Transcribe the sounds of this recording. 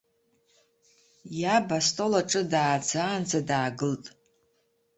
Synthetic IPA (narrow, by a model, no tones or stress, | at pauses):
jabastʼo̞laʈ͡ʂʼɨdaːd͡zaːnd͡zadaːɡɨltʼ